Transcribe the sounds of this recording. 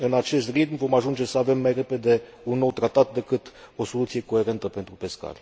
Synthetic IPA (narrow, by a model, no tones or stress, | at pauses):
ɨnat͡ʃe̞st̪rit̪̚mvo̞maʒund͡ʒe̞səave̞mːajre̞pe̞d̪e̞ | unːo̞wt̪ɾat̪at̪̚d̪e̞kɨt̪o̞so̞lut̪sije̞ko̞e̞ɾe̞nt̪əpe̞nt̪ɾupe̞ska̰lʲ